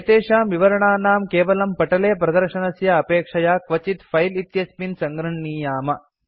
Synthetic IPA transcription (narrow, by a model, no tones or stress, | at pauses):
ɐt̪eːʃaːmʋiʋɐɾɐɳaːnaːmkeːʋɐlɐmpɐʈɐleːpɾɐd̪ɐɾʃɐnɐsjɐːpeːkʂɐjaːkʋɐt͡ʃit̪fʰɐjlit̪jɐspinsɐŋɡɾɐɳːiːjaːmɐ